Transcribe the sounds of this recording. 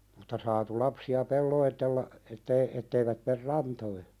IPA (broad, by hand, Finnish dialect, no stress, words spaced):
mutːɑ sɑːtu lɑpsiɑ pelːoitelːɑ etːei etːeiʋæt mer rɑntoi